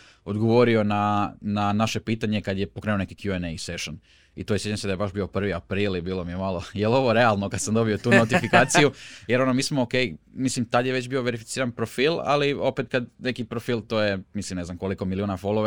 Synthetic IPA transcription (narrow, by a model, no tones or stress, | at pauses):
o̞d̪ɡoʋo̞ɾio̞nananaʃe̞piːt̪aɲe̞kad̪je̞pokɾenone̞kikjuenejse̞ʃon | ḭt̪ojesjet͡ʃamsed̪ajebaʃbio̞pr̩ʋiapɾiːlibiːlˠomije̞malˠojelo̞ʋoɾe̞alˠnokad̪samd̪o̞bio̞t̪uːnot̪ifikaːt̪sijujeɾo̞nomiːsmooke̞jmislimt̪ad̪jeʋet͡ɕbiːoʋe̞ɾifi̥t̪siːɾanpɾofiːlˠa̰lio̞pet̪kad̪ne̞kipɾofiːlˠt̪oːjemislimneznamkoliko̞miliunafo̞lˠoʋe